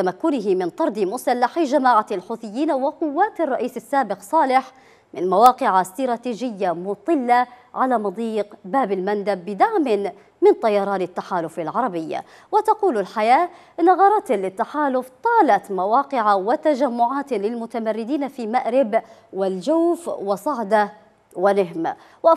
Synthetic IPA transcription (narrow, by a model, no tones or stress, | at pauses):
t̪amakːʊnɪɦɪmɪnt̪ˤɑɾˤd̪ɪmʊsalːaħd͡ʒamaːʕalħuːθɪjːiːnawɪqʊwːaːt̪rˤːɑʔiːsɪsːaːbɪqsˤɑːlɪħ | mɪnmawɑːqɪʕast̪ɑɾˤɑːt̪iːʒɪjːamʊt̪ˤɨlːaʕalaːmɑd̪ˤiːqbaːbalmand̪abːɪd̪aʕmɪn | mɪnt̪ˤːɑjɑɾˤɑːnɪt̪ːaħaːlʊfalʕɑɾˤɑbɪjːa̰ | wɪt̪ɑquːlɪlħajaːʔɪnːaɣɑɾˤɑt̪lɪt̪ːaħaːlʊft̪ˤɑːlat̪mawɑːqɪʕawɪt̪aʒamːʊʕaːt̪lɪlmʊt̪amarːɪd̪iːnafimaʔɾɪbwɪld͡ʒawfwɪsˤɑʕd̪a | wɪnɪɦm | waʔ